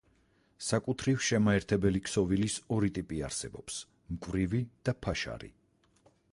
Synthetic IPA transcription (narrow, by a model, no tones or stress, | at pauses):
sakʼut̪ʰɾivʃɛmaɛɾt̪ʰɛbɛlikʰsɔvilisɔɾit̪ʼipʼia̰ɾsɛ̰bɔps | mkʼvɾivid̪̥apʰaʃa̰ɾḭ